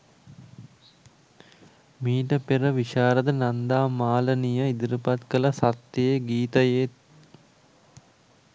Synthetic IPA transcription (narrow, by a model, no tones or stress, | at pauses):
miːʈəpeɾəʋiʃaːɾəd̪ənand̪aːmaːlənijəid̪iɾupat̪kələsat̪jeeɡiːt̪ɐjet̪